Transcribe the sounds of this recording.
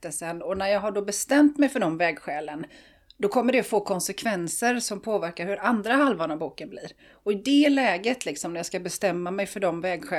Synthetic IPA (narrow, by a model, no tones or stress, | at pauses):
t̪ːəlsənɔnæɾjɑːɡɦaɖɔbɛst̪ɛmt̪mɛjfœɖɔmvɛːɡɧɛːlən | d̪ɔkʰɔmːəɖɛfoːkʰɔnsɛkʰvɛnsəɾsɔmpʰoːvæɾkaɾhɵɾand̪ɾahalvaɳabuːkənblɪɾ | ɔɪd̪ɛlɛːɡət̪lɪksɔmnæɾjaːskabɛst̪ɛmːamɛjfœɖɔmvɛːɡɧɛ